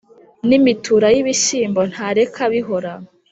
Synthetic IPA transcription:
nimituɾajiβiʃiːmbo̞n̥haɾe̞kʰaβiɦo̞ɾa

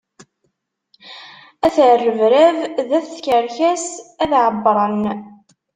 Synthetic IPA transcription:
æθʕərːəvɾævðæθθçəɾçæsæðʕəbːɾˤɑn

